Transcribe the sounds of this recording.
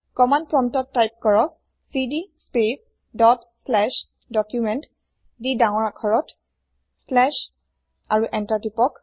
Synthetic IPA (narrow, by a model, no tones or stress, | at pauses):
kɔmanpɹɔmtɔtːajp̚kɔɹɔk̚ | sidispep | dɔt | slɛʃ | dɔkjumɛnt | didaw̃ɔɹakʰɔɹɔt | slɛʃ | aɹuʔɛntatipɔk